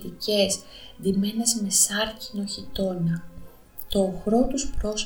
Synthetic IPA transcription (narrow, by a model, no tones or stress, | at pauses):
t̪ice̞z | ðime̞ne̞zme̞sɐɾcino̞çit̪o̞nɐ | t̪o̞ːxɾo̞t̪uspɾo̞s